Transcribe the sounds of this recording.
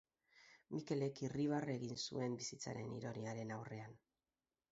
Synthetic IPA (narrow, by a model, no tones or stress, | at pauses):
mike̞le̞kiriβ̞are̞ɣinsṵe̞mbisit͡sa̰ɾe̞nḭɾo̞niaɾe̞nawre̞an